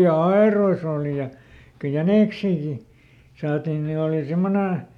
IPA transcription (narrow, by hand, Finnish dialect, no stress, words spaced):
jɑ ɑerois oˑli jɑ ko jæneˑksiːki sɑːtin ni oˑli simːone